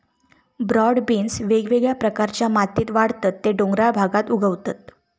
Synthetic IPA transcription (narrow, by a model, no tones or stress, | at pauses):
bɾɔɽbinsʋeɡʋeɡɭjapɾəkaɾt͡ɕjamat̪iːt̪ʋaɽt̪ət̪ːeɖoŋɡɾabʱaɡat̪uɡʱəʋt̪at̪